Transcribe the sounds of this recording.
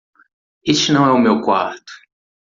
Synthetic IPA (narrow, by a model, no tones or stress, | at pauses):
est͡ʃɪnɐ̃w̃ɛʊmewkwa̰ɾt̪ʊ̥